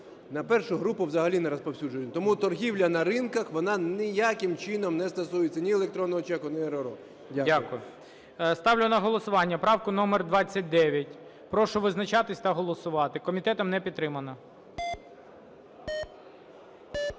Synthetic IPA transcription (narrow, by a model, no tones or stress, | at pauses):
nɐpɛrʃʊɦɾupʊwzɐɦɐlʲinɛɾɔspɔwsʲud͡ʒʊj̪ʲt̪ɔmut̪ɔrɦʲiwlʲɐnɐɾɪnkɐxʋɔnɑnɪjakɪmt͡ʃɪnɔmnɛst̪ɐsujet͡sʲːɐnʲielˠekt̪ɾɔnːɔɦɔt͡ʃɛkʊnɪeɾɔɾɔ | dʲaakʊjʊ | st̪ɑwlʲʊnɐɦɔlˠɔsʊʋɑnʲːɐpɾɑwkʊnɔmerd̪ʋɑt͡sʲːɐt̚ʲd̪ɛʋʲjɐtʲ | pɾɔʃʊʋɪznɐt͡ʃɑt̪ɪsʲt̪ɐɦɔlˠɔsʊʋɑt̪ɪkɔmʲit̪ɛt̪ɔmnɛpʲid̪t̪t̪ːɾɪmɐnɔ